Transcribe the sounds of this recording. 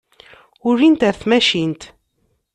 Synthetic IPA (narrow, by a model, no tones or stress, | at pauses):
ʊrːint̪əɾθmæʃint̪